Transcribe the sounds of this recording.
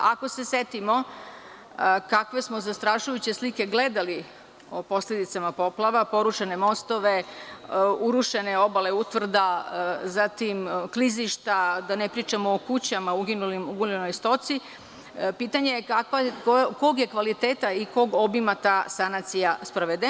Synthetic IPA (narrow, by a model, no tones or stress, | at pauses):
ako̞se̞se̞t̪imo̞ | kakʋe̞smo̞zast̪ɾaʃujut͡ɕe̞slike̞ɡle̞d̪ali | opo̞sle̞d̪it̪samapo̞plˠaʋapo̞ɾuʃene̞mo̞st̪o̞ʋe̞ | uɾuʃe̞neo̞baleut̪ʋr̩d̪azat̪imkliziʃt̪ad̪anepɾiːt͡ʃamoːkut͡ɕamauɡinulimuɡulenojst̪o̞t̪si | pit̪aɲekakʋakokoɡje̞kʋalit̪eːt̪aiko̞ɡo̞bimat̪aːsanat̪sijaspɾoʋed̪e